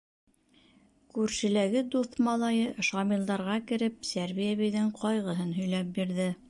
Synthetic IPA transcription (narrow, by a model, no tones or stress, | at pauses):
kʉɾʃɘ̆læɡɘd̪uθmɑlˠɑjɤʃɑmilˠd̪ɑɾʁɑkɘ̆ɾɘp̚sæɾβijæβɘ̆jðɘɴqʰɒjʁɤ̆ɦɤnɦɵ̆jlæp̚biɾðɘ